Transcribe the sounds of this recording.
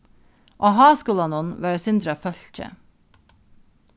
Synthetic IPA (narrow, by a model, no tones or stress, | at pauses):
ʔoːɦɑːskʊlɑnʊnʋæːɾəsʏnd̪ɾəfœltʰə̰